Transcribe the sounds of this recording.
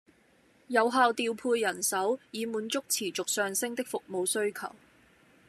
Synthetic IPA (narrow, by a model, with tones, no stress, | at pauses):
jɐ˨˧wɦaː˨˧wt̪iː˨˧wpʰuː˧jːɐ˨˩nsɐ˨˥wjiː˨˧muː˨˥nt͡sʊ˥k̚t͡sʰiː˨˩t͡sʊ˨k̚sœː˨ŋsɪ˥ŋt̪ɪ˥k̚fʊ˨k̚mo˨˧wsɵ˥ɥkʰɐ̰˨˩w